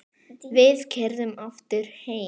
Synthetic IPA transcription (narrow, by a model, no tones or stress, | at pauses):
vɪðcʰɛɾðʏmaft̪ʏɾ̥heː